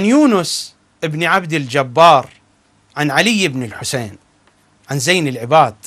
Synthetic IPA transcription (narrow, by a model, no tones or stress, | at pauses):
ʕanjuːnʊs | ʔɪbnʕabd̪ɪld͡ʒabːɑːɾˤ | ʕanʕalɪjːʔɪbnɪlħʊseːn | ʕanzaːnɪlʕɪbaːd̪̚